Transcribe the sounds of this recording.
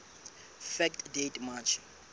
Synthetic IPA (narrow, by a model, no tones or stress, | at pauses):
fɛktdetmat͡ʃʰ